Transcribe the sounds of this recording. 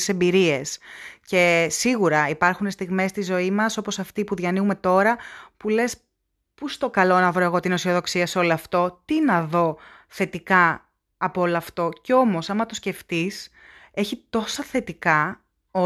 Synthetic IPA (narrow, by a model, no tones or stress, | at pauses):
se̞mbiɾie̞sce̞siɣuɾɐipɐɾxune̞st̪iɣme̞st̪izo̞imɐso̞po̞sɐft̪ipuðʝɐniume̞t̪o̞ɾɐpule̞s | pust̪o̞kɐlo̞nɐvɾo̞e̞ɣo̞t̪ino̞sio̞ðo̞ksiɐseo̞loɐft̪o̞t̪inɐðo̞ | θe̞t̪ikɐː | poolɐːft̪o̞ceo̞mo̞sɐmɐt̪osce̞ft̪is | e̞çit̪o̞sɐθe̞t̪ikɐ | o